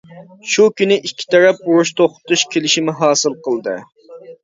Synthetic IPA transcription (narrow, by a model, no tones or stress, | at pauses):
ʃukʲynɪʔikʲʰːi̥t̪ʰɛɾɛp̚uɾuʃt̪ʰoχt̪uʃkʲʰelɪʃimɪɦɑːsɨlˠqəlˠd̪ɨ̰